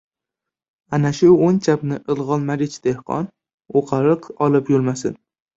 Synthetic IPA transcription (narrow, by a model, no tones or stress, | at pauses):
anaʃʊont͡ʃʰapnɪʔɨlˠʁɒnmaɾɪt͡ʃd̪̥ehqʰɒ̰n | oqʰɑɾɨqɒlˠɪpjolˠmasɪ̰n